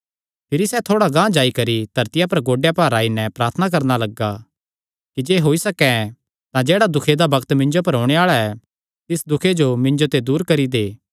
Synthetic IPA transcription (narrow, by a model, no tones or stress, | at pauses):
pʰɪɾisɛt̪ʰoːɽaɡãːd͡ʒaːikɐɾid̪̥ʱɐɾt̪ɪjapɐɾɡoːɖejapaːɾaːinɛpɾaːɾt̪ʰənak̬ɐɾnalɐɡa | kid͡ʒeːɦoːisɐkɛ̃ | t̪ãd͡ʒeːɽad̪ʊkʰed̪abɐkt̪mɪ̃nd͡ʒopɐɾɦoːɽ̃eaːɭaɛ | t̪ɪsd̪ʊkʰed͡ʒomɪ̃nd͡ʒot̪ed̪uːɾkɐɾid̪eː